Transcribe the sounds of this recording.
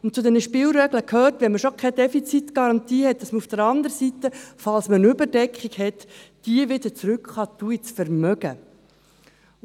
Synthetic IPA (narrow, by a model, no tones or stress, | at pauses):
ʊntt͡sʊd̪ɛnəʃpɪːlɾɛɡləkʰhøːrtʋɛnməʃokʰɛd̪ɛfit͡sit̪ɡ̥ɑɾɑnt̪iːhɛt̚d̥ɑsməufd̥əɾɑnd̪əɾəsit̪əfɑlsmənʏbəɾdɛkχikhɛtd̥iəʋɪd̪ət͡sɾʉkχɑːt̪uit͡sfəɾmœɡ̥ə